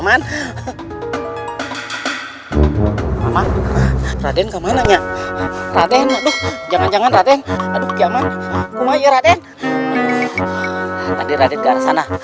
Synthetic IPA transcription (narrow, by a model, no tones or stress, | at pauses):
man | mama | radɛnkamanaɲaʔradɛnɲadɔhd͡ʒaŋand͡ʒaŋanradɛnadukiamankumajəɾadɛn | ta̰dɛɾadɛt̪̚ɡaɾasana